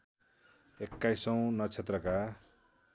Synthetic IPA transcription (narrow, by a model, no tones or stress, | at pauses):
ekːajsʌw̃nʌt͡sʰet̪rʌka